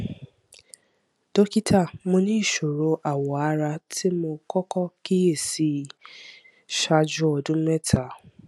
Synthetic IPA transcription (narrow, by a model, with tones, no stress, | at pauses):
d̥o˦ki˦tʰa˦˨mõ˧nĩ˦i˦˨ʃo˨ɾo˨˧ʔa˨wɔ˨a˨˦ɾa˧tʰi˦mo˧kɔ˦kɔ˦ki˦e˦˨si˨˦ | ʃa˧d͡ʒu˦ɔ˧dũ˦mɛ˦tʰa˨